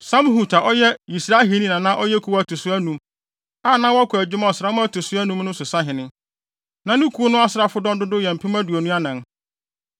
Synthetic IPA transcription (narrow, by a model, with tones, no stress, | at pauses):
sã˦m˦hu˨tʰa˨ʔɔ˦jɛ˦i˨sɾa˦ɦe˨nĩ˦˨nã˨nã˦ʔɔ˦jɛ˦kʰu˨˦wæ˨tʰʊ˨sʊ˦æ˦nũ˨m | a˦˨nã˦wɔ˦kʰʊ˨æ˨d͡ʑᶣɪ˦ma˦ɔ˨sɾa˦mʊ̃˦æ˦tʰʊ˨sʊ˦æ˦nũ˦mnʊ̃˦sʊ˨sa˦ɦɪ̃˨nɪ̃˦ | nã˨nʊ̃˦kʰu˦o˦nʊ̃˦a˦sɪ˨ɾa˦fʊ˦dɔ̃˦ndʊ˦dʊ˦jɛ˨m̩˨pʰĩ˦mã˦du˨o˨nũ˦a˦nã˨n